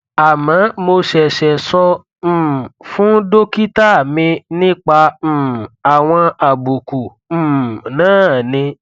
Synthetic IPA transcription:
a˨mã˨˦mo˧ʃɛ˨ʃɛ˨sɔ̃˧˦˨ | fũ˦do˦ki˦ta˦˨mĩ˧nĩ˦k͡pa˧m̩˨a˨w̃ɔ̃˧a˨bu˨kũ˨ | nãː˦˨nĩ˧

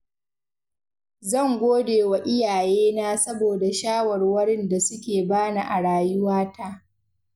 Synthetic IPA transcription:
zɐ˦˨ŋɡʷoː˦deː˨wa˨ʔɪ˦jaː˨jeː˦naː˦sɐ˦boː˨da˨ʃaː˦wɐ˨rwɐ˦ɽɪ˦nda˨sʊ˦kʲeː˨baː˦na˨ʔa˨ɽaː˨jʊ˦waː˦ta˦

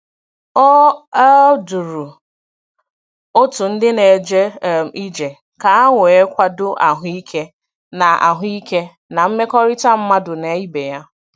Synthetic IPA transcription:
ɔ˦ | du˨ɾu˨ | o˦tʊ˨n̩˦dɪ˦ne˨d͡ʒe˦˨i˦d͡ʒe˨ | ka˨a˦ŋʊ˨e˦kʷa˦dʊ˦ʔa˨ɦʊ˦i˦kʰe˦ | na˨a̰˨ɦʊ˦i˦ke˦ | na˨m̩˦me˦kɔ˦ɾɪ˦ta˦m̩˦ma˦dʊ˨ne˨˦i˦be˨ja˦

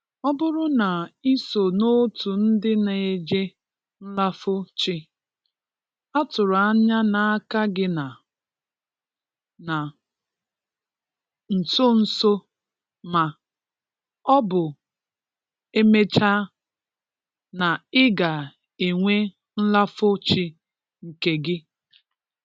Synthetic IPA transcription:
ɔ˦bʊ˦ɾʊ˦na˨i˦so˨no˦tu˨n̩˦dɪ˦ne˨e˨d͡ʒe˦ | n̩˦la˦fʊ˦t͡ʃɪ˦ | a˦tʊ˨ɾʊ˨a˦ɲa˦na˨a˦ka˦ɡɪ˦na˨ | na˨ | n̩˨so˦n̩˨so˦ | ma˨ | ɔ˦bʊ˨ | e˦me˦t͡ʃa˦ | na˨ɪ˦ɡa˨ | e˨ŋʷe˦ | n̩˦la˦fʊ˦t͡ʃɪ˦ | ŋ̩˨ke˨ɡɪ˦

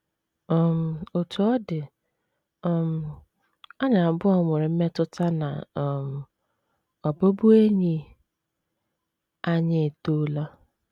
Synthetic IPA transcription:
ɔ˨m̩˨o˨tu˨ɔ˦dɪ˨ | ɔ˨m̩˨ | ɔ˦ɲa˨m̩˨bʊ˦ɔ˦mɪ˨ɾɪ˨m̩˦me˦tʊ˦ta˦na̰˨m̩˨ | ɔ˨bo˦bʊ˦e˦ɲi˦ | a˦ɲɪ˦˨to˦la˦

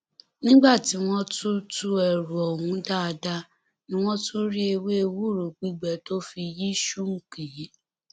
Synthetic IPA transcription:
nĩ˦ɡ͡ba˦˨ti˨w̃ɔ̃˦tu˦tu˦ɛ˨ɾu˨ɔ˨wũ˨˦da˦a˧da˦ | nĩ˦w̃ɔ̃˦tʰu˦ɾi˦e˧we˦e˦˧wu˦˨ɾu˨ɡ͡bi˦ɡ͡bɛ˨to˦fi˧ji˦ʃu˦ŋ̩˦ki˨ji˦

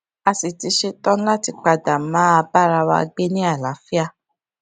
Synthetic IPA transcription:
a˧si˨ti˨˧˦ʃe˧tɔ̃˦n̩˦la˦ti˧k͡pa˧˨da˨˦mãː˨˦a˧ba˦˨ɾa˧wa̰˧a̰˧ɡ͡be˦nĩ˦a˦˨la˨˦fi˦a˧˨

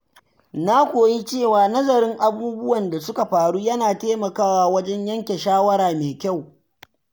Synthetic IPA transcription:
na˦kʷoː˨ji˦t͡ʃeː˦˨waː˨nɐ˦zɐ˨ɾɪ˦ŋʔa˨buː˦bʊ˦wɐ˨nda˨sʊ˦ka˨ɸaː˨ɽuː˦jɐ˦naː˨teː˦mɐ˨kaː˦waː˦wɐ˦d͡ʒɛ˦ɲjɐ˦ŋkʲe˨ʃaː˦wɐ˦ɾaː˨meː˨kʲa˦˨w

